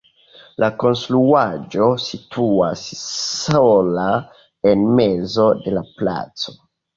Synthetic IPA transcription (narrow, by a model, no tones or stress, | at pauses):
lʔako̞nstɾuad͡ʒo̞sitʰuassola | enmezo̞de̞lapla̰t͡so̞̥